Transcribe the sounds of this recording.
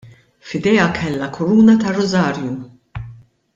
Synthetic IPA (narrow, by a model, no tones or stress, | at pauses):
fɪd̪ɛɐkʰɛlːɐkʰʊɾuːnɐt̪ɐrːɔzɐːɾju